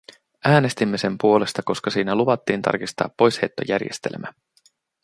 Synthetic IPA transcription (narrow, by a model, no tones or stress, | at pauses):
æːne̞st̪imːe̞se̞mpuo̞le̞st̪ɑko̞skɑsiːnæluʋɑt̪ːiːnt̪ɑ̰rkist̪ɑ̰ːpːo̞jshe̞t̪ːojæ̰rjḛst̪ḛlmæ